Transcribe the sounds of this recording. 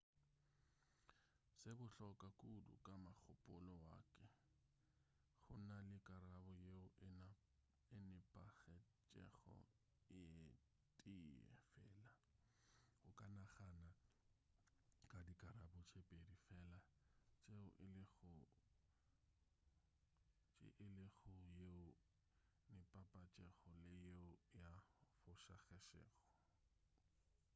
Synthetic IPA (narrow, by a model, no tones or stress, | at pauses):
sɪbʊɬɔkʼakʼudʊ̰kʼamak͡xʰʊpʼʊlɔwa̰ːkʼɛ | ɣʊnalɪkʼaɾabɔjeʊʔɪn | ɪnɪpʼaɣɛt͡ʃʼɛ̰χɔ̰ | ɪ | tʼiɛ̰fɛ̰ːla | ʊkʼanaχana | kʼadikʼaɾabʊt͡ʃʰepʼedifɛːlat͡ʃʼeʊʔɪlɪɣʊ | t͡ʃʼɪ̰ʔɪlɪɣʊjeʊ | nɪpʼapʼat͡ʃʼɛɣɔlɪjeʊjafʊʃa̰ɣɛʃɛ̰ːχɔ